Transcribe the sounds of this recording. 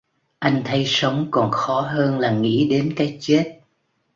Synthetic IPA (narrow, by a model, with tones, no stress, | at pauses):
ʔa˧jŋ̟t̪ʰə˨˦jsə˨˦wŋ͡mkɔ˨˩nxɔ˨˦ɦəː˧nlaː˨˩ŋḭ˧˥ɗe˨˦nkaː˨˦jt͡ɕe˦˥t̚